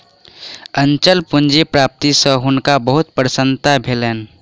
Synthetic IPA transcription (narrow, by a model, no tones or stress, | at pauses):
ənt͡ʃəlpʊnd͡ʒepɾaːp̚t̪isə̃ɦʊnkabəɦʊt̪pɾəsə̃nt̪abʱeleːn